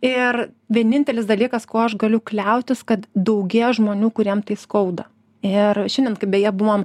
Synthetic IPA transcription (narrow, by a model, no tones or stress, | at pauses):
ɪr | ʋʲiɛnʲɪnʲt̪ʲɛlʲɪsd̪ɐlʲiːkɐskoːɐʃɡɐlʲʊklʲɛʊt̪ʲɪskɐt̪d̪ɐʊɡʲiɛʒmoːnʲuːkʊɾʲiɛmt̪ɐɪskɐʊd̪ɐ | ɪrʃʲɛnʲdʲɛnkɐɪbʲɛjɛbʊʋɐm